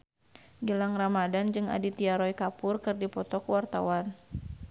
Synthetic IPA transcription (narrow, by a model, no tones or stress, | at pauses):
ɡəlaŋramadand͡ʒɨŋa̰dit̪iaɾɔjkapʊrkɨrdipɔt̪ɔkuwart̪a̰wan